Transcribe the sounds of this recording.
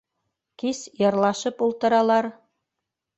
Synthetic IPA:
kisjɤ̆rlˠɑʃɤpulˠt̪ɤ̆ɾɑlˠɑr

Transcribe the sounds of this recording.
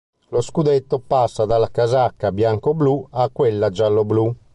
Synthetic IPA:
loskud̪et̪ːopasːad̪alakazakːabjaŋkobluakːwelːad͡ʒalːoblu

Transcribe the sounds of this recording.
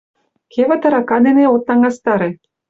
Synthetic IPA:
kʲʰeβɘ̆t̪ɑ̆ɾɑkɑd̪eneot̪̚nɑŋɡɑst̪ɑɾe

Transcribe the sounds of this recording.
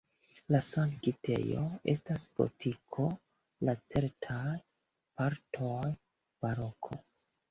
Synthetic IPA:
lasankite̞̰joe̞stasbo̰tʰikʰo̞ | lat͡se̞ɾtʰaj | paɾtʰoj | m̥aɾo̞kʰo̰

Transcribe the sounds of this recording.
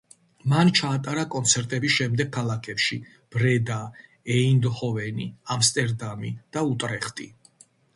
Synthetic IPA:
mant͡ʃʰaːt̪ʼaɾakʼɔnt̪sʰɛɾt̪ʼɛbiʃɛmd̪ɛɡ̚kʰalˠakʰɛpʃi | b̥ɾɛd̪a | ɛind̪χɔvɛniamst̪ʼɛɾd̪amid̪̥aut̪ʼɾɛχt̪ʼi

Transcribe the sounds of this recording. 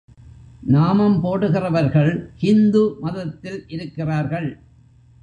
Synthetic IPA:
naːmɐmpoːɽɯɣɪrɐʋɐɾɣɐɭhɪnd̪umɐðɐt̪ːɪlʔɪɾɯkːɪraːɾɣɐɭ

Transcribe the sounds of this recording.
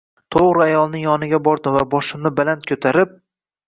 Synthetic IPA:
t̪ʰoʁɾɪajɒlˠnɪŋjɒnɪɡʲabɒɾd̪ɪvabɒʃɪmnɪbalant̪̚kʰɵt̪ʰaɾɪp̚

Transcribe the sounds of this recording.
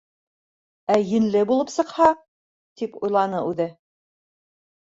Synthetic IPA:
æjɘ̆nlɘbulˠɤpsɤ̆qhɑ | t̪ipujlˠɑnɤʉðɘ

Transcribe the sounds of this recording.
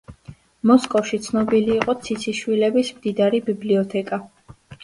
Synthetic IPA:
mɔskʼɔfʃit̪sʰnɔbiliːqʼɔt̪sʰit̪sʰiʃwilɛbismd̪id̪aɾibibliɔt̪ʰɛkʼa

